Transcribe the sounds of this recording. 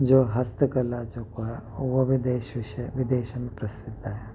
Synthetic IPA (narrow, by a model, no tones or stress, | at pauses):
d͡ʒoːɦɐst̪əkɐlad͡ʒoːkoɦɛʋobʱd̪eːʃʋɪʃʋɪd̪eːʃɐmẽpɾɐsɪd̪ʱːaɦɛ